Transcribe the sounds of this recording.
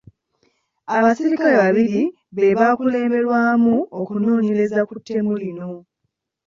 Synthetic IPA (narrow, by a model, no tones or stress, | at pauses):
aβasiɾikale̞βaβiɾi | βe̞βaːkule̞ːmbe̞ɾwaːmuokuno̞ːɲe̞le̞zakutʰːe̞mulino̞